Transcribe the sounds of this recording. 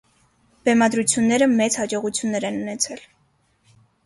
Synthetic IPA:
b̥ɛmɑd̪ɾut͡sʰjunːɛɾəmɛt͡shɑd͡ʒɔʁut͡sʰjunːɛɾɛnunɛt͡sʰɛl

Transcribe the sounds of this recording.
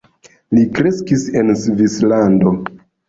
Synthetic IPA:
likɾe̞skise̞nsvislando̞

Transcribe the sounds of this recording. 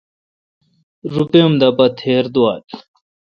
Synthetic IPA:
ɾupemd̪ɐpɐt̪ʰeːɾd̪uwaːʈ

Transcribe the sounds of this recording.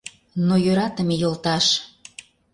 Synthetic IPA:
nojøɾɑt̪əmejolˠt̪ɑʃ

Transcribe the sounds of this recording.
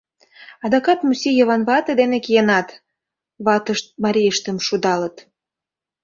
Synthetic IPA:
ɑd̪ɑkɑt̪musijəβɑnβɑt̪ed̪enekijenɑt̪ | βɑt̪əʃt̪̚mɑɾʲijəʃt̪əmʃud̪ɑlət̪

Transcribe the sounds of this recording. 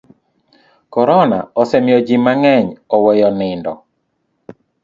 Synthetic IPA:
kɔɾɔna̰ɔsɛmjɔd͡ʒimaŋɛɲɔwɛjɔnɪndɔ̰

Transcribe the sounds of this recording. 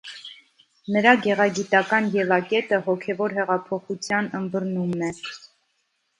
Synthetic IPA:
nəɾɑɡɛʁɑɡit̪ɑkɑnjɛlɑkɛt̪əɦɔkʰɛvɔɾɦɛʁɑpʰɔχut͡sʰjɑnənbəɾnumnɛ

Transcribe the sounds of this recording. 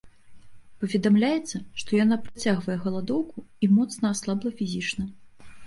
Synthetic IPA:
pɐvʲɛd̪amlʲajɛt̪sːɐʂt̪ɔjanapɾat͡sʲaɣvɐjɛɣɐlˠad̪ɔwkuimɔt̪snɐaslˠablˠɐfʲizʲit͡ʂnɐ

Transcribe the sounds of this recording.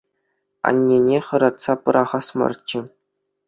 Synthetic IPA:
ɑ̰nʲːenʲeχɤ̆ɾɑt̪sɑpɤ̆ɾʔɑʁɑsmɤ̰rt͡ɕːɘ̆

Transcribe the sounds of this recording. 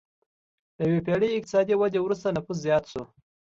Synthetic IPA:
d̪̥əjwepeɽeɪk̚t̪ɪ̥sɑd̪iwad̪ewɾust̪anafus̬zjɑt̪ʃo

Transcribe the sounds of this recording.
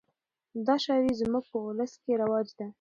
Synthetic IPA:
d̪ɑʃɑwizmuɡ̚pəʊləskeɾawɑd͡ʒd̪a

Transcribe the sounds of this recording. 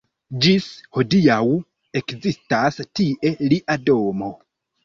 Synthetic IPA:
d͡ʒisho̞dijaw | e̞kzistastiʔe̞liʔado̞mo̞

